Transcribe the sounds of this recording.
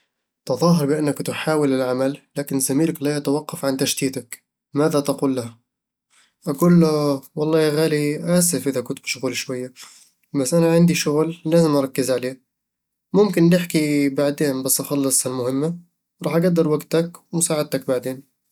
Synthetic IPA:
t̪ɑðˤɑːɦɑɾˤbɪʔanːakt̪ɪħaːwɪlɪlʕamalːaːkɪnzamiːlaklaʔat̪awɑqːɑfʕant̪aʃt̪iːt̪ak | maːðat̪aquːlːaha | ʔaɡuːlːawɑlˤːɑːjaɣaːliʔaːsɪfʔɪðakʊnt̪̚bɪʃʊɣuːlʃwajːa | basːʔanaʕɪnd̪iʃʊɣlːaːzɪmʔɑɾˤɑkːɪzʕaleː | mʊmkɪnlɪħkibaʕd̪eːnbasːʔɑxɑlːɨsˤalmʊhɪmːa | ɾˤɑːħʔaɡad̪ːɪɾˤwaɡt̪akwmʊsaːʕɪd̪̚t̪ak̚baʕd̪eːn

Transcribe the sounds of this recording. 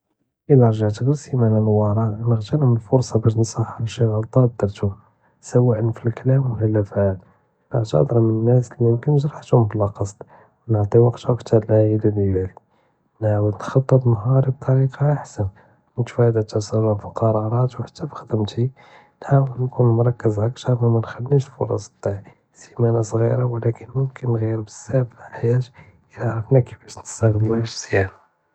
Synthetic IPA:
ʔəlɑɾˤʒaʕt̪əɣəɾsimaʕnænwɑɾˤɑnəɣt̪ənməlfʊɾˤsˤɑbæʃnsˤɑħʃəɣəlt̪ˤɑd̪ːəɾt̪ʊm | səwæʔənfilklæmʊkælːæfæt̪ | lɑʕt̪ə̰d̪ɾˤɑmənənːæslimʊmkənʒɾˤɑħt̪ʊmblɑqɑsˤd̪̥ | wnəʕt̪ˤiwɑqt̪ukt̪ʰɑɾlʕæjələljæl | nʕawəlt̪xɑt̪ˤːət̪ˤnɦɑɾib̚t̪ˤɑɾiqɑaħsən | mət̪fæd̪æt̪æsˤəlˤːɑfiqɑɾˤɑɾˤɑt̪wħat̪ːæfi̥xd̪əmt̪i | nħawəlnkunmɾˤɑkːəzæk̚t̪ɑɾˤmæmænxælːiʃlfo̰ɾˤɑ̰sˤb̚t̪ˤːaʕ | simænasˤɣiɾawlækənmʊmkənːɣiəɾbəsːæfaħjæt̪ | ʔəlaʕɾˤəfnækə̥fæʃnəst̪æɣəd̪æʃz̥jæna

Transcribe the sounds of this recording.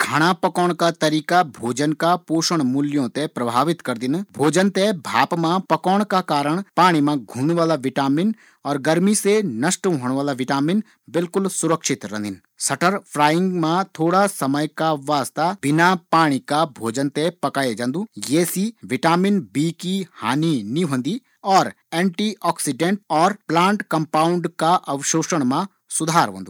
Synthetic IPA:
kʰaːɽ̃apɐkɔːɽ̃kat̪ɐɾiːkabʱoːd͡ʒənkapoːʃəɽ̃mʊljõt̪ẽpɾɐbʱaːʋɪt̪kɐɾd̪ɪnbʱoːd͡ʒənt̪ebʱaːpmãpɐkɔːɽ̃kakaːɾəɽ̃paːɽ̃imãɡʱũːnʋaːlaʋɪʈaːmɪn | ɔːɾɡɐɾmisenɐʃʈɦoːɽ̃ʋaːlaʋɪʈaːmɪn | bɪlkʊlsʊɾəkʃɪt̪ɾɐ̰̃nd̪ɪn | sɐʈəɾpʰɾaːjɪ̃ŋɡmãt̪ʰoːɽasɐməjkaʋaːst̪ab̥ɪnapaːɽ̃ikabʱoːd͡ʒənt̪epɐkaːjed͡ʒãːnd̪uːjeːsiʋɪʈaːmɪnbiːkiha̰ːninĩɦõːnd̪i | ɔːɾ | ɛ̃ːɳʈiɔːksɪɖẽɳʈɔːɾplãːɳʈkɐmpaːʊɳɖkaʔɐʋʃoːʃəɽ̃mã | sʊd̪ʱaːɾɦõ̰ːnd̪u

